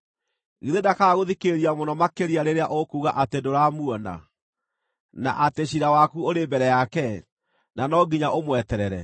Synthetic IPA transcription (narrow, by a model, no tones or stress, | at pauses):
ɣiðedakaɣoðikeɾiamonɔmakeɾiaɾeɾeaʔokuːɣa̰ʔatendoɾamuɔna̰ | na̰ʔateɕiɾawakuoɾembɛɾɛjakɛ | nanɔɡiɲaʔomwɛtɛɾɛɾɛ̰